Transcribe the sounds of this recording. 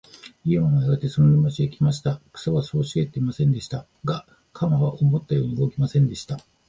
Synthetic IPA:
imanoaɡat̪ːesonooimot͡ɕiekʲimaɕi̥t̪akɯ̥saβaso̞ːɕiɡe̞t̪ːe̞imasẽ̞nd̪e̞ɕi̥t̪a | ɡa | kʰamaβaʔo̞mo̞t̪ːajo̞ːɲ̟iɯɡo̞kʲimasẽ̞nd̪e̞ɕi̥t̪a

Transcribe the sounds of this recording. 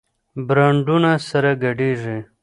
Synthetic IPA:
bɾaːɳɖunasɐɾɐɡɐɖiːʐe

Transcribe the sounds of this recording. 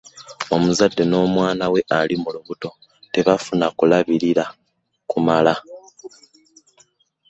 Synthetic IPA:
o̞muzadːe̞no̞ːmwaːnawe̞ʔalimuluβuto̞ | te̞βafunakulaβiɾiɾa | kumala

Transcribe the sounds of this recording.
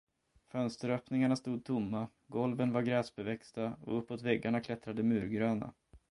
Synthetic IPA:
fœnst̪əɾœːpnɪŋaɳast̪uːd̪̚t̪ʰʊmːa | ɡɔlvənvaɾɡɾɛːsbɛvɛkst̪aɔ̰ɵpːoːt̪vɛɡːaɳakʰlɛt̪ɾad̪əmʉ̟ːɾɡɾøːna̰

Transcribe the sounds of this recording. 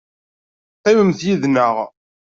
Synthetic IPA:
qːiwəmθjiðnəʁ

